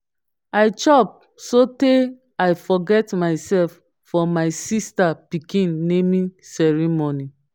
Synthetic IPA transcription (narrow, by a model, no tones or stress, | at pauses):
aɪt͡ʃɔp̚ | sote | aɪfɔɡɛtmaɪsɛlfː | ɔmaɪsistapikĩnːemĩsɛɹimoni